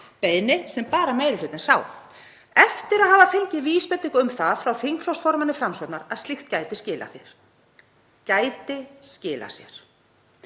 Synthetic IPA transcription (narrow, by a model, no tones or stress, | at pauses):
pejðnɪsɛmpaːɾameːjɾʏlʏt̪ɪnsaːw | ɛft̪ɪɾaðɦaːvafeɲcɪviːspɛt̪ɪŋkʏmθaðfɾawθiŋkfl̥ɔwsfɔɾmanɪfɾamsɔt̪naɾaðst̪lixt̪caːjt̪ɪscɪːla̰θjɛ̰ɾ̥ | caːjt̪ɪscɪːla̰sjɛ̰ɾ̥